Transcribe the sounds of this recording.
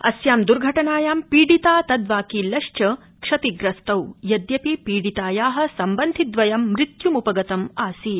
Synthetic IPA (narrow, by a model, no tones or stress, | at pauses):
ɐ̰sjaːmd̪uɾɡʱɐʈɐnaːjaːmpiːɽit̪aːt̪ɐd̪ʋaːkiːlɐʃt͡ʃɐ | kʂɐt̪iɡɾɐst̪ɐwjɐd̪jɐpipiːɽit̪aːjaːɦɐ̆sɐmbɐnd̪ʱid̪ʋɐjɐmːɾit̪jumupɐɡɐt̪ɐmaːsi